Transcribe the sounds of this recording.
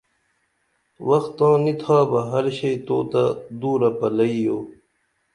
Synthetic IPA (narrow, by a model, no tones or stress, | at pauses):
wɐxt̪ːãːnit̪ʰaːbɐɦɐɾɕɐjt̪oːt̪ad̪uːɾɐpɐlɐijoː